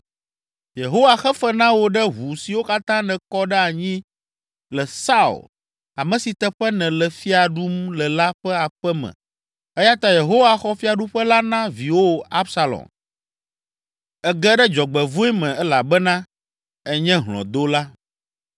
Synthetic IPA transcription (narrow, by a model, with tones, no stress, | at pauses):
je˨ɦo˦wa˨xɛ˦fɛ˦nã˦wo˦ɖɛ˦ɦu˨si˨wo˦ka˦t̪ã˦nɛ̃˨kɔ˦ɖɛ˦a˨ɲĩ˦ | lɛ˨sa˦ṵ˨l | a˨mɛ̃˨si˨t̪ɛ˦ɸɛ˦nɛ̃˨lɛ˨fi˦a˨ɖu˦mlɛ˨la˦ɸɛ˦a˨ɸɛ˦mɛ̰̃˨ | ɛ˦ja˦t̪a˦je˨ɦo˦wa˨xɔ˦fi˦a˨ɖu˦ɸɛ˦la˦nã˦vi˨wo˦a˦bsa˨lɔ̰˨m | ɛ˦ɡɛ˦ɖɛ˦d͡ʒɔ˨ɡ͡bɛ˨vũ˦ɛ˦mɛ̃˨ɛ˦la˨bɛ˦nã˦ | ɛ˦ɲɛ̃˦ɦlɔ̰̃˨d̪o˦la˦